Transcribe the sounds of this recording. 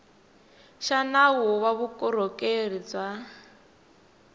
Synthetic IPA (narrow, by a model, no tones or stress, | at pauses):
ʃanawɔwaβukʼɔɾɔkʼerit͡swa